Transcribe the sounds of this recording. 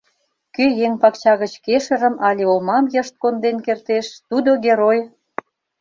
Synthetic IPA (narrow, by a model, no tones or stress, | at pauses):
køjeŋpɑkt͡ɕɑɣət͡ɕkeʃə̆ɾə̆mɑlʲeomɑmjəʃt̪̚kond̪enkert̪eʃt̪ud̪oɣeɾoj